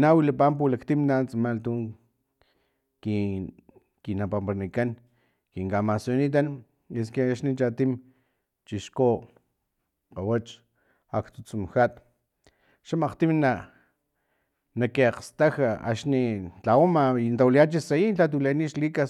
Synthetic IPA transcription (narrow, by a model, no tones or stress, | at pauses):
nawilapamp̬ulakt̪imnant͡samalt̪uŋ | ki | kinapampanikan | kiŋkamasunit̪̬an | eskeaʃnit͡ʃat̪im | t͡ʃiʃko | qawat͡ʃ | akt͡s̪ut͡sumxat̪ | ʃamaqt̪imna | nakeqst̪axaa̰ʃnit͡ɬawamaint̪awlijat͡ʃisajint͡ɬat̪̬ulaniʃlikas